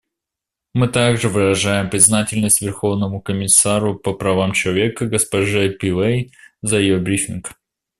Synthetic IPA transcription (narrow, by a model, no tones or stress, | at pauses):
mɨt̪aɡʐɨvɨɾɐʐajɪmpɾʲɪznatʲɪlʲnəsʲtʲvʲɪrxo̞vnəmʊkəmʲɪsaɾʊpəpɾɐvamt͡ɕɪlˠɐvʲe̞kəɡəspɐʐɨpʲilˠejzəjɪjobɾʲifʲink